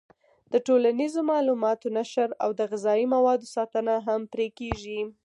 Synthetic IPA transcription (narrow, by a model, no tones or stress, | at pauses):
d̪̥əʈolanizomɑlumɑt̪onaʃəɾa̰wd̪əɣɪzɑimawɑd̪osɑt̪ənaɦampɾekeʒi